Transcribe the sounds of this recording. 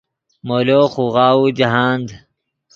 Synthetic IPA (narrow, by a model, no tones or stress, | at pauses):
moːloːxuɣaːud͡ʑɐɦaːnd̪